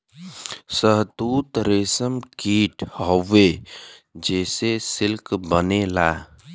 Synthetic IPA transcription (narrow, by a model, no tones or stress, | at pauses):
səɦt̪uːt̪ɾeːsəmkiːʈʰhɔʋe | d͡ʒɛːsesɪlkbənelaː